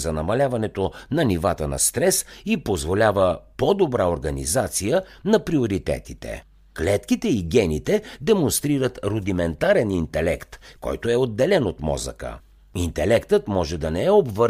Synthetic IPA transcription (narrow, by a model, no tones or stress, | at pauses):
zɐnɐmɐlʲavɐnɛt̪onɐnivat̪ənɐ̰st̪ɾɛsipozvolʲavəpɔd̪obɾaoɾɡɐnḭzat̪sijə | nɐpɾioɾit̪ɛ̰t̪it̪ɛ̰ | klɛt̪kit̪ɛiɡʲɛnit̪ɛd̪ɛmonst̪ɾiɾət̪ɾod̪imɛnt̪aɾɛnint̪ɛlɛkt̪kɔ̰jt̪oɛod̪ːɛlɛnot̪mɔ̰zə̰kə̰ | int̪ɛlɛkt̪ət̪mɔʒɛd̪ɐnɛɛobvə